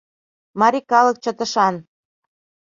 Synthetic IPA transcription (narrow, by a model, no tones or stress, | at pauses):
mɑɾʲikɑlək̚t͡ɕə̆t̪ə̆ʃɑn